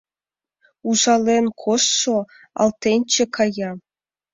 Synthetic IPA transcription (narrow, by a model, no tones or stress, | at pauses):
uzɑlʲenkʰosːo | ɑ̰lˠt̪ʲenʲt͡ɕĕkʰɑjɑ